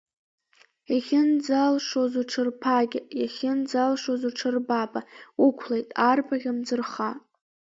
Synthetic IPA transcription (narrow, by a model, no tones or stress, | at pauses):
jaχʲɪnd͡zalʂozuʈ͡ʂʰɨrpʰaɡʲɪjaχʲɪnd͡zalʂozuʈ͡ʂʰɨrbabʼaʊkʷʰlejtʼarpʰaɣʲɪmd͡zɨrχa